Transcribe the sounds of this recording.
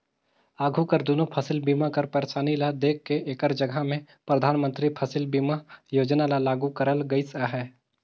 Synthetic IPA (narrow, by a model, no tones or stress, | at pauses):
aːɡʱukəɾd̪onopʰɐsɪlbiːmakɐɾpəɾeʃaːnilad̪eːkʰːeeːkəɾd͡ʒəɡʱamẽ | pɾəd̪ʱaːnmə̃nt̪ɾipʰɐsɪlbiːmajoːd͡ʒnalalaːɡukəɾəlɡəisaɦɛː